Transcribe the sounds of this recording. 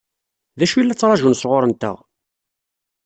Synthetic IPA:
ðæʃuilːæt͡sːɾˤɑʒunsʁʊɾˤənt̪ə̰ʁ

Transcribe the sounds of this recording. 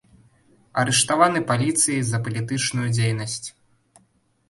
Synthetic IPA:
ɐɾɛʂt̪avanɨpalʲit̪sɨjizɐpɐlʲit̪ɨt͡ʂnujud͡zʲejnɐsʲt͡sʲ

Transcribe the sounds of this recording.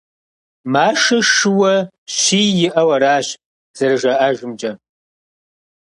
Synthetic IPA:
maːʂɐʂɨwɐ | ɕiːjɪʔɐwɐɾaːɕ | z̥ɐrɨʒɐʔaʒɪmd͡ʒɐ

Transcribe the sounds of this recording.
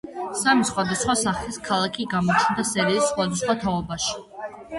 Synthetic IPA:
samisχwad̪asχwasaχliskʰalˠakʰiɡamɔt͡ʃʰnd̪asɛɾiːsːχwad̪asχwat̪ʰaɔbaʃi̥

